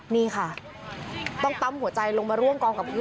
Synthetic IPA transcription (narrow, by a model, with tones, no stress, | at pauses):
niː˥˩xʰa˥˩ | t̪ɔ˥˩ŋt̪a˧mhu˨˩˦ɐt͡ɕa˧jlo˧ŋmaː˧ɾu˥˩əmkɔː˧ŋka˨˩p̚ʰkʰɯ˧˦